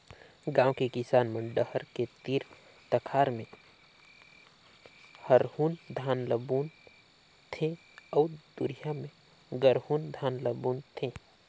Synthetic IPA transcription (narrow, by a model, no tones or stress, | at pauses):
ɡãːwkekɪsaːnmə̃ɖəhəɾket̪iɾ | t̪əkʰaːɾmẽ | həɾhuːnd̪ʱaːnləbuːn | t̪ʰẽ | ɔːd̪uɾijamẽ | ɡəɾhuːnd̪ʱaːnləbuːnt̪ʰẽ